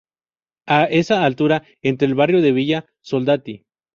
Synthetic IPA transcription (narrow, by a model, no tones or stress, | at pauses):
ae̞saːlt̪uɾa | e̞nt̪ɾeːlβarjo̞ðe̞βiʝa | so̞ld̪at̪i